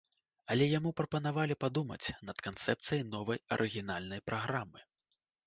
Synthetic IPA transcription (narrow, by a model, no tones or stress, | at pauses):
ɐlʲɛjamupɾɐpɐnavalʲipad̪umɐ̰t͡sʲnɐt̪kant̪sɛp̚t̪sɨjɐjnɔvɐjɐ̰ɾʔɨɣʲin̪alʲnɐjpɾʔaɣɾamɨ